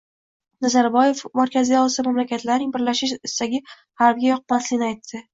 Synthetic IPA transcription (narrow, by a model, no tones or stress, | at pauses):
nazaɾbɒje̞fmaɾkʲʰazijɒsamamlakʲʰat̪laɾnɪŋbɪɾlaʃɪʃɪst̪aɡʲɪ | haɾb̚ɡʲajɒq̚maslɪɡʲnɪajt̪ʰːɪ